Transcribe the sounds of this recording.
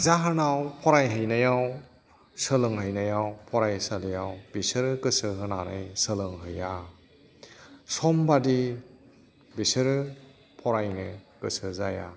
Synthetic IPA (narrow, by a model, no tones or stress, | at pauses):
zaɦɯnawpʰɔɾajɦɯjnajaw | sɯlɯŋɦɯjnajawpʰɔɾajsalɯjawbisɯɾɯkɯsɯɦɯnaɾɯ̰jsɯlɯŋɦɯja | sɔmbadi | bisɯɾɯ | pʰɔɾajnɯkɯsɯzaja̰